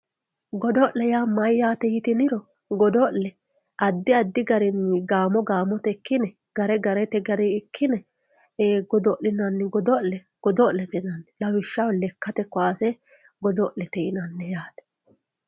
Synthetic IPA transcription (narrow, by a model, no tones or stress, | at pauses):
ɡɔd̪ɔʔlɛjaːmɐjːaːt̪ɛjɪt̪ɪnɪɾɔ | ɡɔd̪ɔlɛ | ʔɐd̪ːɪɐd̪ːɪɡɐɾɪnɪɡaːmɔɡaːmɔt̪ɛkːɪnɛ | ɡ̥ɐɾɛɡɐɾɛt̪ɛɡɐɾiɪkʰːɪnɛː | ɡɔd̪ɔʔɪnɐnːɪɡɔd̪ɔlɛ | ɡ̥ɔd̪ɔʔlɛt̪ɛnɐnːɛlɐwɪʃːɐwlɛkːɐt̪ɛkːɔaːsɛ | ɡɔd̪ɔʔɛt̪ɛjɪnɐnːɛjaːd̪ɛ̥